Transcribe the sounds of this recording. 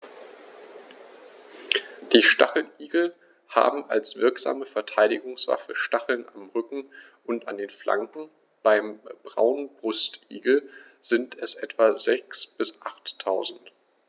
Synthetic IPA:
d̥iːʃtaχl̩ʔiːɡl̩ | ha̰ːbm̩ʔa̰lsv̥ɪɐkz̥a̰ːməfɛɐtʰaɪdɪɡʊŋsv̥a̰fəʃtaχl̩namʁʏkŋ̩ | ʔʊnta̰ndeːnflʔa̰ŋkŋ̩ | b̥aɪmb̥ʁa̰ʊnnbʁʊstʔḭːɡl̩ | z̥ɪntʰɛsʔɛtv̥azɛksb̥ɪsʔaχtʰːaʊzn̩t

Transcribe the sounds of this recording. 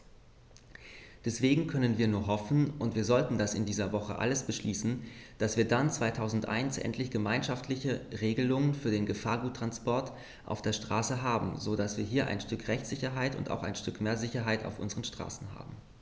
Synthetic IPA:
d̥ɛsv̥eːɡŋ̩kʰœnənviːɐnuːɐɦɔfn̩ʔʊntv̥iːɐzɔltn̩dasɪndiːzɐvɔχə̰ʔa̰ləsb̥əʃliːsn̩d̥asv̥iːɐdant͡sv̥aɪtʰaʊzn̩tʔa̰ɪnsʔɛ̰ntʰlɪçɡ̥əmaɪnʃaftlɪçəʁeːɡəlʊŋənfyːɐdeːnɡəfaːɐɡuːtːʁ̥anspɔɐt | ʔa̰ʊfd̥eːɐʃtʁ̥aːsəɦaːbm̩zodasv̥iːɐɦiːɐʔa̰ɪnʃtʏkʁɛçtz̥ɪçɐɦaɪtʊ̰nta̰ʊxa̰ɪnʃtʏkmeːɐzɪçɐɦaɪta̰ʊfʔʊ̰nzəʁənʃtʁ̥a̰ːsn̩ɦa̰ːbm̩

